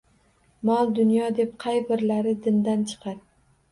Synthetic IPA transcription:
mɒlˠd̪ʊnjɒd̪e̞p̚qʰɑjbɪɾlaɾɪd̪ɪnd̪ant͡ʃʰɨ̥qʰɑɾ

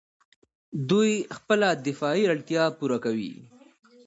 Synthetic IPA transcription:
d̪ujxpəlad̪ɪfɑiɾaɽt̪jɑpuɾakawḭ

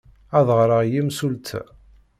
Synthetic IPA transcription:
æðˤʁɾˤəʁjimsult̪ʰ

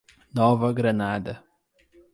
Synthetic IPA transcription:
nɔvɐɡɾɐnad̪ɐ

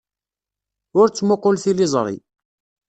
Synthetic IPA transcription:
ʊɾt͡sːmoqːʊlθilizˤɾˤḭ

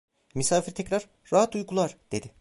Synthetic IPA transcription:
mysaːfiɾt̪ʰɛcɾaɾːaɦat̪ujkʰulˠaɾd̪̥e̞d̪ɪ

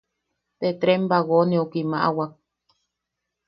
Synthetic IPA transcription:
t̪et̪ɾembaɣoneukimaʔa̰wak̚

